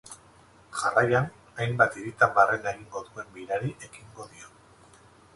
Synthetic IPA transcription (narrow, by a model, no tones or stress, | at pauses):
ʝarajan | ajmbat̪iɾit̪ambarelaɣiŋɡo̞ðue̞mbiɾaɾiʔe̞kiŋɡo̞ðio̞